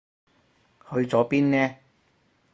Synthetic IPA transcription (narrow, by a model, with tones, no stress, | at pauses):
hɵ˨˧ɥt͡sɔː˨˥piː˥nnɛː˥